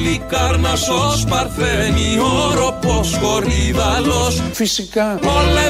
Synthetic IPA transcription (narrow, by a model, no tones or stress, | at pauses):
ikaɾnɐsospɐɾθenioɾoposkoriðalosfisikaole